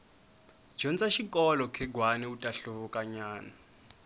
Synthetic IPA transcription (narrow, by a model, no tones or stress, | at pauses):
d͡ʒɔnt͡saʃikʼɔlɔkʰɛɡwanɛutʼaɬuβɔkʼaɲaːna